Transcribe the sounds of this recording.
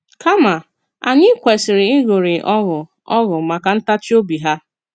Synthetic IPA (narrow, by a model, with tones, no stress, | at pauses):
ka˦ma˨ | a˨ɲɪ˦kʷe˨sɪ˨ɾɪ˨ɪ˦ɣo˨ɾɪ˨ʔɔ˦ɣʊ˨ | ɔ̰˦ɣʊ˨ma˨ka˨n̩˦ta˦t͡ʃi˦o˦bi˨ɦa˦